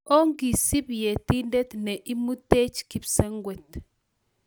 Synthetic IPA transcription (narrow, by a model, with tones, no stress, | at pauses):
o˦ŋɡi˨si˦bje˨t̪i˦ndɛ˦t̪nɛ˨ʔi˦mu˦t̪e˦t͡ʃki˨psɛ˦ŋɡwɛ˨t̪